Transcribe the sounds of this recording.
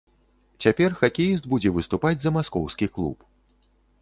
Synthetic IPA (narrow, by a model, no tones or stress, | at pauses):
t͡sʲapʲɛrxakʲejisd̪bud͡zʲɛvɨst̪upad͡zʲzɐmaskɔwskʲiklˠṵp